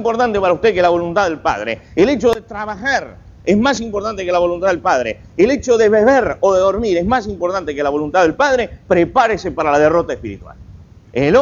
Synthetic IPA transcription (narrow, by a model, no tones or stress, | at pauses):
mpo̞ɾt̪ant̪epaɾaust̪eðkelaβ̞olunt̪aðelpa̰ð̞ɾḛːle̞t͡ʃo̞ðet̪ɾaβ̞axaɾ | ezmas̬impoɾt̪ant̪ekelaβ̞o̞lunt̪aðelpaðɾḛː | let͡ʃoðeβeβeɾo̞ðeðo̞ɾmiɾezmas̬impoɾt̪ant̪ekelaβ̞o̞lunt̪aðe̞lpað̞ɾepɾepaɾesepaɾalaðerot̪aespiɾit̪wa̰l | enelo